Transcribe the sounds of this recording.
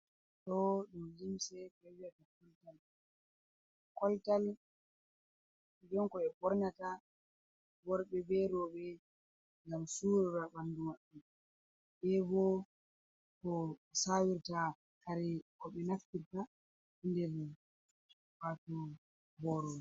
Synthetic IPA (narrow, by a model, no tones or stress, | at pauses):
tɔɗumlimsɛɓɛwijatakɔltal | kɔltal | id͡ʒɔnkɔɛpɔɾɲata | wɔɾɓɛbɛɾɔɓɛ | ŋɡamsuɾɔɾabandumaɗːu | ɓɛbɔ | kɔsawiɾta | kaɾɛkɔɓɛnaftiɾta | indɛɾ | watu | bɔɾɔ